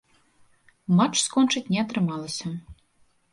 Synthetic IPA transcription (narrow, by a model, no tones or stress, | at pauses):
mɑt͡ʃskont͡ʃɨtʲnʲɛɑt̪ɾɨmɑlˠə̆sʲə